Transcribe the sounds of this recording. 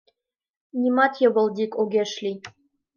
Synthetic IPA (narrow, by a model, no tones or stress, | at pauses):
nʲimɑt̪jɤ̆βɤ̆lˠd̪ʲikoɡʲeʃlʲi